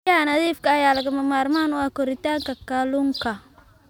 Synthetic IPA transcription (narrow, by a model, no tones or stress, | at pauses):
aːnɐðiːfkɐːjaːlɐɣɐmɐmaːrmaːnʊakɔɾɪt̪aːŋkɐkalʊŋkʰɐ